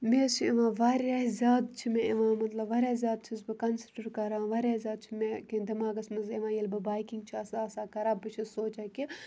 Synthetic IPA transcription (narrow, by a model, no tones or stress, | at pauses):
meːsieʋãːʋaːɾaːzʲaːd̪t͡ʃʰimẽeʋãːmɐt̪lɐbʋaːɾʲjaːzʲjaːd̪̚t͡ʃʰizbɨkɐnsiʈɐɾkɐɾãːʋaːɾʲaːzʲjaːd̪̚t͡ʃʰimẽkid̪ɐmaːɡɐsmɐnzeʋãːjelbɐbaːjkiŋɡt͡ʃʰiɐsaːɐsaːkɐɾaːbːɨt͡ʃʰisoːt͡ʃaːki